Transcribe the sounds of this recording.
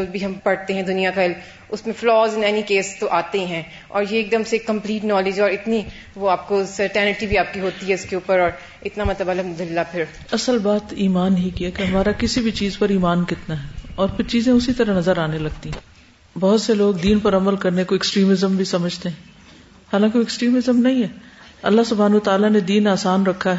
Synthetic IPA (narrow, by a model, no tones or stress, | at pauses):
d͡ʒbʱiɦɐmpɐɽt̪eɦɛ̃d̪ʊnijakaɪl | ʊsmẽflɔːzɪnɛːnikeːst̪oʔaːt̪eɦɛ̃ː | ɔ̰ːɾjeːk̚d̪ɐmseːkːɐ̃mpliːʈnɔːlɪd͡ʒɔːɾɪt̪ni | ʋoaːp̚kosɐɾʈɛːnɪʈibʱiaːp̚kiɦoːt̪iɦɛʊskeuːpəɾɔːɾ | ɪt̪namɐt̪əbaləmʊd̪əlːapʰɪɾ | ɐsəlbaːt̪iːmaːnɦikiakeɦɐmaːɾakɪsibʱit͡ʃiːzpɐɾiːmaːnkɪt̪naɦɛːɔːɾpʰɪɾt͡ʃiːzẽʊsit̪ɐɾaɦnɐzəɾaːnelɐɡ̚t̪iɦɛ̃ | bɔɦʊt̪seloːɡd̪iːnpɐɾɐməlkɐɾnekoɪksʈɾiːmɪzəmbʱisɐməd͡ʒʱt̪eɦɛ̃ː | haːlãːkɪksʈɾiːmɪzəmnɐɦĩɦɛːɐ̰lːasʊbʱaːnət̪aːlaned̪iːnaːsaːnɾɐkʰːaɦɛː